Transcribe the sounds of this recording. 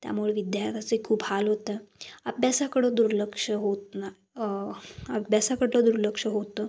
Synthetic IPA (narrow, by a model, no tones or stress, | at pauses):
t̪ja̰muɭeʋid̪jaɾt̪ʰat͡səikʰuːphalɦot̪əəbjasakəɽəd̪uɾləkʂəɦot̪̚na | əbjasakəɽləd̪uɾləkʂəɦot̪ə